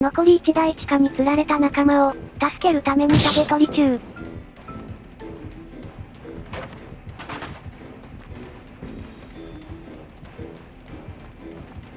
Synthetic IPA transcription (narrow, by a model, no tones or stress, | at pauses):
no̞ko̞ɾʲiːt͡ɕid̪ait͡ɕi̥kaɲ̟it͡sɨɾaɾe̞t̪anakamao̞t̪asɨ̥ke̞ɾɯ̟t̪ame̞ɲ̟isaɡe̞t̪o̞ɾʲit͡ɕɨː